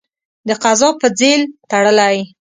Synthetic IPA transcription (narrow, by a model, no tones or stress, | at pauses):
d̪əqazɑpəd͡zelt̪aɽəlaj